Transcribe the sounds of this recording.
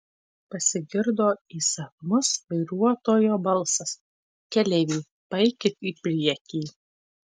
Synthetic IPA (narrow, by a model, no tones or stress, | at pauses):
pɐsʲɪɡʲɪɾd̪oːiːsɐfmʊsʋɐɪɾuɔt̪oːjoːbɐlˠsɐs | kʲɛlʲɛʋʲiː | bɐɪkʲɪt̪iːpʲɾʲiɛkʲiː